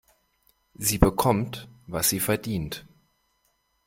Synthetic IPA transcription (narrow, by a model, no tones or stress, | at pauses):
ziːbəkʰɔmtvasz̥iːfɛɐdiːnt